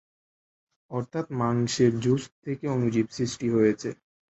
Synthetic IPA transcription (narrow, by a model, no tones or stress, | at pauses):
ɔɾt̪ʰat̪maŋʃeɾd͡ʑus̚t̪ʰekeonud͡ʑibsɾisʈiɦojet͡ɕʰe